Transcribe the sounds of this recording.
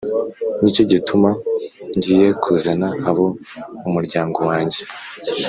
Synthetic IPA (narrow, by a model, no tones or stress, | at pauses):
nicoɟitumaɲɟiːje̞kʰuzanaaβoumuɾɟaːŋɡo̞waːɲɟe̞